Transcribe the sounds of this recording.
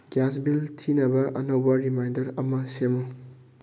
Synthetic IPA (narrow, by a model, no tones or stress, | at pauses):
ɡ̥jasbiltʰinɐbɐʔɐnowbɐɾimajndɐɾɐmɐsemu